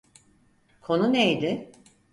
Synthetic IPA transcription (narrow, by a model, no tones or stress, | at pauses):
kʰo̞nunejd̪ɪ